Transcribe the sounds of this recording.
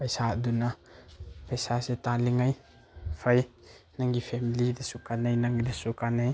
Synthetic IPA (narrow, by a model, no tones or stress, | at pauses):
pɐjsaduna | pɐjsaset̪aliŋɐj | fʰɐjnaŋɡipʰɛmilidɐsukanajnaŋɡid̪asukanaj